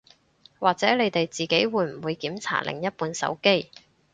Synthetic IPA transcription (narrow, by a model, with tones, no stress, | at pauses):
waː˨k̚t͡sɛː˨˥ne˨˧jt̪e˨jt͡siː˨ke˨˥jwuː˨˧˥jm̩˨˩wuː˨˧jkiː˨˥mt͡sʰa̰ː˨˩t̚lʔɪ̰˨˩ŋjɐ˥t̚puː˧nsɐ̰˨˥wke˥j